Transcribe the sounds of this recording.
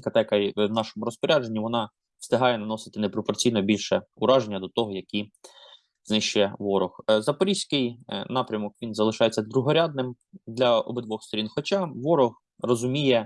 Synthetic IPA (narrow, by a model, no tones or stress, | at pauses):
kɐt̪ɛkɐjnɑʃɔmʊɾɔspɔɾʲad͡ʒenʲːiʋɔnɑ | st̪ɪɦɑjɛnɐnɔsɪ̥t̪ɪnɛpɾɔpɔrt͡sʲijnɔbʲilʲʃɛʊɾɑʒenʲːɐd̪ɔt̪ɔɦɔjɐkʲi | znɪʃt͡ʃʊjɛʋɔɾɔxzɐpɔɾʲisʲkɪjnɑpɾʲɐmɔkʋʲinzɐlˠɪʃɑjet͡sʲːɐd̪ɾʊɦɔɾʲad̪nɪm | d̪lʲɐɔ̰bɪd̪ʋɔxst̪ɔɾʲinxɔt͡ʃɑʋɔɾɔx | rɔzʊmʲijɛ